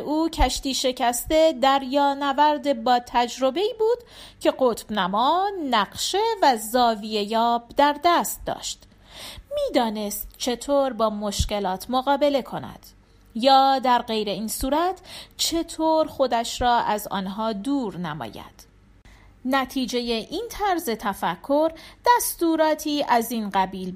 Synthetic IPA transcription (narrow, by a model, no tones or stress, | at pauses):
uːcʰæʃt̪iːʃe̞cʰæst̪e̞d̪æɾjɒːnævæɾd̪e̞bɒːt̪ʰæd͡ʒɾo̞be̞iːbuːd̪̥cʰe̞ɢot̪b̥næmɒːnæɢʃevæzɒːvije̞jɒːbd̪æɾd̪æst̪̚d̪ɒ̰ːʃt̪ | miːd̪ɒːne̞st̪̚t͡ʃʰe̞t̪ʰoːɾbɒːmo̞ʃce̞lɒːt̪ʰmoɣɒːbe̞le̞kʰo̞næ̰d̪̥ | jɒːd̪æɾɢe̞jɾe̞iːnsuːɾæt̪ʰt͡ʃʰe̞t̪ʰoːɾxo̞d̪æʃɾɒːʔæzɒ̰ːnɦɒːd̪uːɾnæ̰mɒ̰ːjæ̰d̪̥ | næt̪ʰiːd͡ʒe̞je̞ʔiːnt̪ʰæɾze̞t̪ʰæfækʰːoɾd̪̥æst̪uːɾɒːt̪ʰiːʔæziːnɢæbiːl